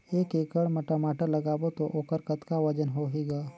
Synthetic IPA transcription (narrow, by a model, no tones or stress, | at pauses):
eːkeːkəɽmɐʈamaːʈəɾlɐɡaːbot̪oʔoːkəɾkət̪kaʋɐd͡ʒənɦoɦiɡaː